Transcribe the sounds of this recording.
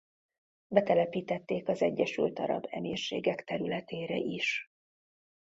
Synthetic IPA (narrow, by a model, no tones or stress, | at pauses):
bɛt̪ɛlɛpiːt̪ɛt̪ːeːkɒzɛɟːɛʃylt̪ɒɾɒ̰bɛmeːrʃeːɡɛkt̪ɛɾylɛt̪eːɾɛ̰ʔiʃ